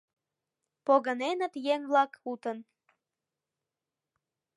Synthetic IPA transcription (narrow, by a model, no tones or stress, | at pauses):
poɣənenə̆t̪jeŋβlɑkut̪ən